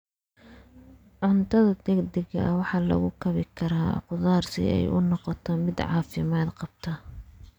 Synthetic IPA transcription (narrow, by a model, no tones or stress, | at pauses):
ʕʊnt̪ʰɐðɐd̪ɛɡd̪ɛɡɐ̰ʔwɑħɑːlɐ̰ɣʊkʰɐβɪkʰɐɾaːqʊðaːrsɪ̰ɛ̰jʔʊnɔqɔt̪ʰɔmɪd̪ʕɑ̰ːfɪmaːd̪qɑb̥t̪ʰɐ